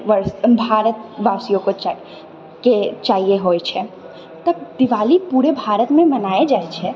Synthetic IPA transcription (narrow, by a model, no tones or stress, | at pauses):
ʋəɾsbʱaːɾət̪ʋasijõko | ket͡ʃaːɦieɦoɛt͡ʃʰɛ | t̪əbd̪ɪʋaːlipuːɾebʱaːɾət̪mẽmənaːed͡ʒaːet͡ʃʰɛ